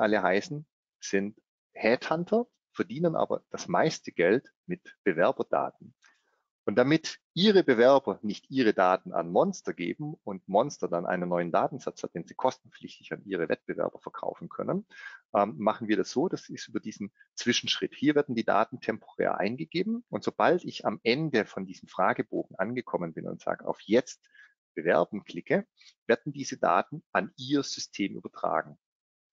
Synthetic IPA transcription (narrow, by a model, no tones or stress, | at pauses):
ʔaləɦaɪsn̩ | z̥ɪnt | hɛːthantʰɐ | fɛɐdiːnənʔa̰ːbɐ̰d̥asmaɪstʰəɡɛlt | mɪtb̥əvɛɐbɐd̥a̰ːt̚n̩ | ʔʊntd̥amɪtʔiːʁəbəvɛɐbɐnɪçtʔiːʁ̞ədaːtn̩a̰nmɔnstɐɡḛːbm̩ʊntmɔnstɐdanʔa̰ɪnənːɔʏəndaːtn̩z̥at͡shat̚d̥eːnziːkʰɔstn̩flɪçtɪçanʔiːʁ̞əvɛ̰t̚b̥əvɛ̰ɐbɐfɛɐkʰa̰ʊfn̩kʰœ̰nənʔɛːmmaχn̩viːɐɾasz̥oːdasɪstʔyːbɐdiːzn̩ | t͡sv̥ɪʃn̩ʃʁ̥ɪthiːɐvɛɐdn̩diːda̰ːtn̩tʰɛmpʰoʁɛ̰ːɐʔa̰ɪnɡəɡeːbm̩ʊntz̥ob̥altɪçamʔɛndəfɔndiːzəm̩fʁ̥aːɡəboːɡŋ̩ʔanɡəkʰɔmənbɪnʊ̰ntz̥a̰ːɡəʔa̰ʊfjɛt͡st̚ | b̥əvɛ̰ɐbn̩kʰl̥ɪkʰə | v̥ɛɐd̚n̩diːzəda̰ːtn̩ʔanʔiːɐz̥ʏstʰeːmʔy̰ːbɐtʁ̥a̰ːɡŋ̩